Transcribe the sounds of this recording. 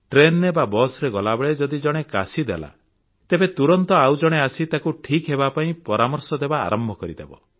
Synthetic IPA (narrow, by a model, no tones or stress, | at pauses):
ʈɾenebabɔsɾeɡɔlabɔɭed͡ʒɔd̪id͡ʒɔɽ̃eka̰sid̪ḛla̰ | t̪ebet̪uɾɔnt̪ɔawd͡ʒɔɽ̃easit̪akuʈʰikɦebapaĩpɔɾamɔɾsɔd̪eba̰ːɾɔmbʱɔkɔɾid̪ebɔ̰